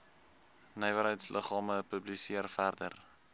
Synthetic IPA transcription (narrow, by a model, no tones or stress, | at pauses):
nəjvəɾɦəjtslʔəχɑːməpɵblisiərfærdə̰r